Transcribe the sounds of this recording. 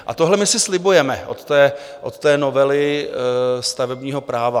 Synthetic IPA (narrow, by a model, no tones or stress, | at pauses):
ʔa̰t̪oɦlɛmɪsɪslɪbujɛmɛʔo̰t̪ːɛːʔot̪ːɛːnovɛlɪ | st̪avɛbɲiːɦo̞pɾaːva